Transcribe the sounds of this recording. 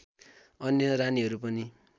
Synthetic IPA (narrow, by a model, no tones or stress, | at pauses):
ʌnjʌɾaniɦʌɾupʌni